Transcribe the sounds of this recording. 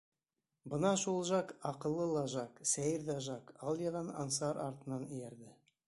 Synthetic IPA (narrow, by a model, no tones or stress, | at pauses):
bɤnɑʃulˠʒɑkɑqɤ̆lˠːɤlˠɑʒɑksæjɘɾðæʒɑkɑlˠjɑðɑnɑ̰nsɑɾɑ̰ɾt̪ɤ̆nɑnɘ̆jæɾðɘ